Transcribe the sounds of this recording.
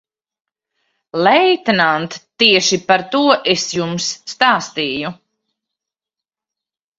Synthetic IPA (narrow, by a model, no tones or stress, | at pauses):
lɛjt̪nant̪ːiɛʃipaɾt̪uɔʔesjumsːt̪aːst̪iːju